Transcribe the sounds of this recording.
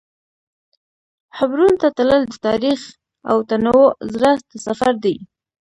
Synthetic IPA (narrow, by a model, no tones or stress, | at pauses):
ħabɾunt̪at̪ləld̪ət̪ɑɾix | a̰wt̪anawozɾət̪safaɾd̪aj